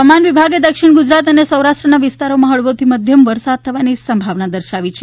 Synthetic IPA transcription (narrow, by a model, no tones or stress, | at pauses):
amanʋibʱaɡed̪əkʃiɳ̃ɡud͡ʒɾat̪ənesə̃wɾaʂʈɾənaʋɪst̪aɾomãɦəɭʋot̪ʰiməd̪ʱjəmʋəɾsad̪̚t̪ʰəʋanisəmbʱaʋnad̪əɾʃaʋit͡ʃʰe